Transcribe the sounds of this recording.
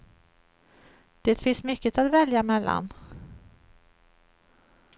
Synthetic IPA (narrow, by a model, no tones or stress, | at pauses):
d̪̥eːt̪fɪnsmʏkːət̪at̪vɛljamɛlːa̰n